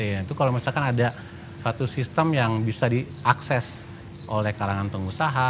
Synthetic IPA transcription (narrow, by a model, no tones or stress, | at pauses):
ait̪ukalomisalkanada | sat̪usist̪əmjaŋbisadi | aksɛs | ʔolɛhkaɾaŋant̪əŋusaɦa